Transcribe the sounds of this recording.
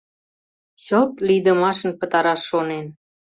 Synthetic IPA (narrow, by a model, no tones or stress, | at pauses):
ɕolt̪lijd̪ə̆mɑʃə̆npə̆t̪ɑɾɑʃːonen